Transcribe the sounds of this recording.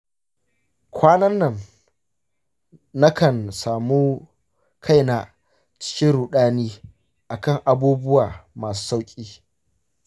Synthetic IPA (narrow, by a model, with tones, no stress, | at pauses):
kʷʰaː˦nɐ˦nːɐ˨n | na˦kɐ˨nsaː˨mu˦ | kʰa˦jna˨ | t͡ʃɪ̥˦kʲɪ˦nɾuː˨ɗaː˦niː˦ | ʔa˨kɐ˦˨ŋʔa˨buː˦bʊ˦waː˨maː˨s̬u̥ː˦sa˦wkʲʼiː˦